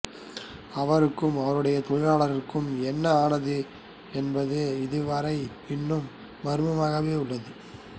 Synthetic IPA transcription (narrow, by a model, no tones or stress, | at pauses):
ɐʋɐɾɯkːɯmɐʋɐɾɯɽɐjɐt̪ɔɾaːɭɐɾɪkːɯmɛnːɐaːɳɐðɯ | ɛnbɐðɯɪðɯʋɐɾɐɪ | ɪnːɯm | bɐɾɯmɐmaːɣɐʋeːʊɭːɐðɯ